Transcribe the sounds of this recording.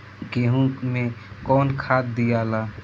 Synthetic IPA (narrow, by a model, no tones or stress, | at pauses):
ɡeːɦũmẽkɔːnkʰaːt̪̚d̪ijaːlaː